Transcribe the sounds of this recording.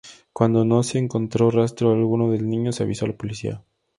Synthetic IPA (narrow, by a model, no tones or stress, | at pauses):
kwand̪ono̞se̞ːŋkont̪ɾo̞rast̪ɾoalɣunoðelnĩɲoseaβisoalapolisḭa̰